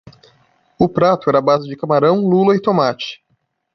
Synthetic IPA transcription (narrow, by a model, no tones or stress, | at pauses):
ʊpɾat̪ʊɛɾɐabazɪd͡ʒɪkamaɾɐ̃w̃lulɐɪt̪omat͡ʃɪ̥